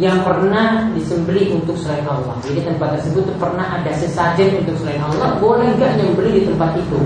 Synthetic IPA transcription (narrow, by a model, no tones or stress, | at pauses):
jaŋpərnahdisəmbəliʔunt̪ʊk̚səlainalːɔ̰hd͡ʒadit̪ənpat̪̚ːərsəbʊt̪ːpərnaɦadasəsad͡ʒɛnunt̪ʊk̚səlainalːɔhbolɛhŋɡaʔɲaməmbəlidit̪əmpat̪it̪u